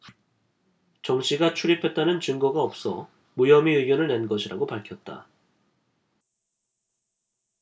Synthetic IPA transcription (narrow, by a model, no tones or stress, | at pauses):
t͡ɕʌŋɕ͈ʰiɡat͡ɕʰuɾipʰe̞t̚t͈anɯnt͡ɕɯŋɡʌɡaʌp̚s͈ʌ̰ | mujʌmiɯɡjʌnɯɭne̞nɡʌɕʰiɾa̰ɡopaɭkʰjʌt̚t͈a̰